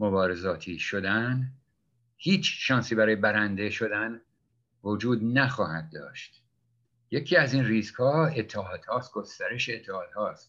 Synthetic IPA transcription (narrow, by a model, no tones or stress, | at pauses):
mo̞bɒːɾezɒːt̪ʰiːʃod̪æn | hiːt͡ʃʰʃɒːnsiːbæɾɒːjebæɾænd̪e̞ʃo̞d̪æn | vod͡ʒuːd̪næxɒːhæd̪̚ːɒ̰ːʃt̪ | je̞cʰiːæzinriːskhɒːe̞t̪ʰːɛɦɒːd̪̥hɒːst̪̚ɡ̥ost̪æɾe̞ʃeet̪ʰːehɒːd̪hɒːst̪